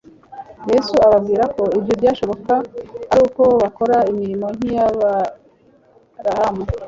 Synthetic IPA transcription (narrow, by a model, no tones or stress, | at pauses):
je̞suaβabɡiːɾako̞ibjobɟaʃo̞βo̞kaaɾuːko̞βako̞ɾaimiɾimo̞ŋ̥hijaβa | ɾahame